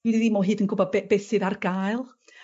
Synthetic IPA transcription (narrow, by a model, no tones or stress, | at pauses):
ididimɔːlˠɦɨːdənɡʊbɔbɛbɛsɨðarɡ̥aːɨlˠ